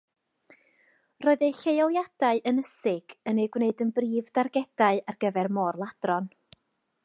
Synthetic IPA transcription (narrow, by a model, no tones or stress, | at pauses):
rɔːɨðejɬejɔlˠjad̥aɨʔənəsɪɡ̥ənejɡwneɨdənbriːvdarɡɛd̥aɨarɡəvɛrmɔrlˠad̥rɔn